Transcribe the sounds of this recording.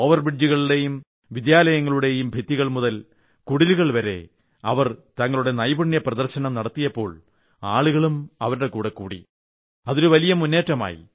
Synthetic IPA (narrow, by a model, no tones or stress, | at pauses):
oːʋɐrbiɖjuɣɐɭiɽe̞jum | ʋid̪jaːlɐjɐŋːɐɭuɽe̞jumbʱit̪ːiɣɐɭmuðɐl | kuɽiluɣɐɭʋɐɾe̞̰ | ɐ̰ʋɐrt̪ɐŋːɐɭuɽe̞nɐjbuɳjɐprɐðɐrɕɐɳɐmnɐɽɐt̪ːijɐpːo̞̰ːɭ | aːɭuɣɐɭumɐʋɐɾuɽe̞kuːɽekːuːɽḭ | ɐðoɾuʋɐlijɐmunːe̞ːtːɐma̰ːjḭ